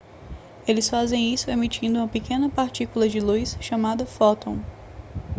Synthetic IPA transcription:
elɪsfazẽj̃isʊemit͡ʃĩnd̪ʊũmɐpikẽnɐpaɾt͡ʃikulɐd͡ʒɪlujsʃamad̪ɐfɔt̪õ

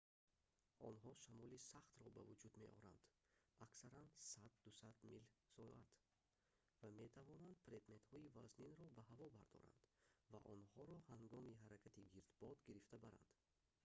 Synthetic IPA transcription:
ʔɔ̰nɦɔʃamɔlisaχt̪ɾɔba̰vud͡ʒud̪me̞ʔɔɾa̰nd̪̥ | aksaɾansad̪ːusad̪milsɔat̪ | vame̞t̪ʰavɔnand̪̚pʰɾed̪me̞t̪hɔivazninɾɔbaɦavɔbaɾd̪ɔ̰ɾa̰nd̪va̰ʔɔnhɔɾɔhaŋɡɔmiɦaɾakʰat̪ʰiɡiɾd̪bɔd̪ɡiɾift̪abaɾa̰nd̪

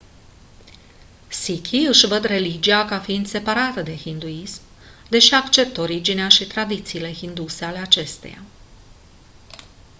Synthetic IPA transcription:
sikʲʰiɨʃvəd̪re̞lid͡ʒiakafiind̪se̞paɾat̪əd̪e̞xind̪uism | d̪e̞ʃiakt͡ʃe̞p̚t̪o̞ɾid͡ʒineaʃit̪ɾad̪it̪siːle̞xind̪use̞ale̞at͡ʃe̞st̪e̞̰ja̰

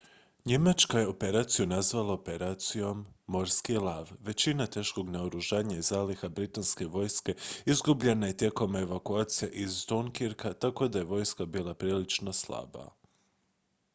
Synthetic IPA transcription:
ɲe̞mat͡ʃkaje̞o̞pe̞ɾaːt̪sijunazʋalˠaope̞ɾaːt̪sijo̞mːo̞ɾskilaːʋʋe̞t͡ɕinat̪e̞ːʃko̞ɡnaoɾuʒaːɲaizaːlixabɾit̪anske̞ʋo̞jske̞izɡubʎe̞naje̞t̪je̞ko̞me̞ʋakuaːt̪sijeʔizt̪oŋkiɾkat̪ako̞d̪aje̞ʋo̞jskabiːlˠapɾiːlit͡ʃno̞slˠa̰ba̰

